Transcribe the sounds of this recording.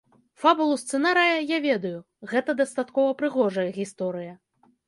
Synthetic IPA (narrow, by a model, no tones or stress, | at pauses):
fabulˠust̪sɛnaɾɨjɐjavʲɛd̪ɐju | ɣɛt̪ɐd̪ɐst̪at̪kɔvɐpɾɨɣɔʐɐjɐɣʲist̪ɔɾɨjɐ